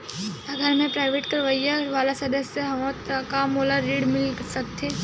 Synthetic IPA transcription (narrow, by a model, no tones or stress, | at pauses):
ɐɡʱəɾmẽpɾaːɪʋeːʈkəɾʋəjaʋaːlasɐd̪əsjəɦɐʋot̪kamoːlaɾiːɽmɪlsək̚t̪ʰe